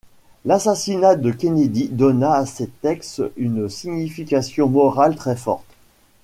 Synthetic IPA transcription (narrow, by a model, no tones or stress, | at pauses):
lasasinad̪əkʲened̪id̪ɔnaːset̪ɛksynsiɲifikʲasjɔ̃mɔʁalt̪χɛfɔ̰ʁt̪